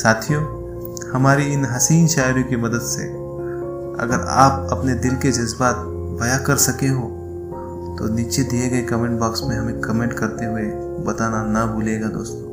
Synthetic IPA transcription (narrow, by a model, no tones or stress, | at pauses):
saːt̪ʰijoː | hɐmaːɾiɪnɦɐsiːnʃaːɪɾjõkimɐd̪əd̪sḛ | ɐ̰ɡəɾa̰ːp̚ɐpned̪ɪlked͡ʒɐzbaːt̪̚ | bɐjakɐɾsɐkeɦõ | t̪oniːt͡ʃed̪ieɡɐekɐmẽːɳʈ̚baːksmẽɦɐmẽkɐmẽːɳʈkɐɾt̪eɦue | bɐt̪aːnanɐbuːleːɡad̪o̰ːst̪õː